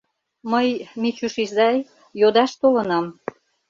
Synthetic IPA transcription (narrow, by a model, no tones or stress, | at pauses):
məjmit͡ɕuʃizɑj | jod̪ɑʃt̪olənɑm